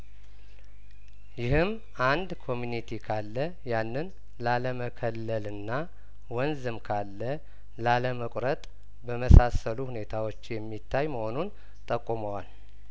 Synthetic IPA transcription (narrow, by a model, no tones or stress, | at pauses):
jɪhɨm | ʔand̪kʰo̞munit̪ʰikʰalːə | janːɨn | laləməkʰəlːəlɨnːa | wɔnzɨmkʰalːə | laləməkʼɾət̪ʼ | bəməsasəluhune̞t̪ʰawo̞t͡ʃːjɛmːit̪ʰːajməho̞nun | t̪ʼəkʼːuməwal